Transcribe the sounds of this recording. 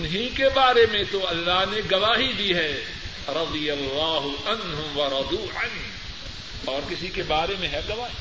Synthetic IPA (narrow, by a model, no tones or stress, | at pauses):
ʊnɦikebaːɾemẽt̪oɐlːaɦneɡɐʋaːɦid̪iɦɛː | ɾɐd̪ijɐlːaːɦʊɐnɦʊʋɐɾɐd̪uːʕən | ɔːɾkɪsikebaːɾemẽɦɛɡɐʋaːɦi